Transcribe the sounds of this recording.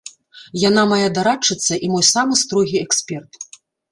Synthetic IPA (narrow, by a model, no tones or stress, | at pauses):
janamajad̪aɾat͡ʂːɨt̪sːɐʔimɔjsamɨst̪ɾɔɣʲiɛksʲpʲɛrt̪